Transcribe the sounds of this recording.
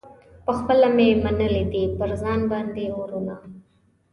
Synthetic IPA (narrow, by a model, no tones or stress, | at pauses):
pəxpəlamemanəled̪ipəɾzɑnbɑnd̪euɾuna